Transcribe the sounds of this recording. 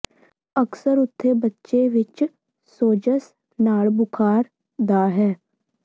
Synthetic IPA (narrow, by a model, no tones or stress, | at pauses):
əksəɾʊt̪ʰːeːbətːʃeːʋɪt͡ʃ | soːd͡ʒəs | naːɭbʊkʰaːɾ | d̪aːɦɛː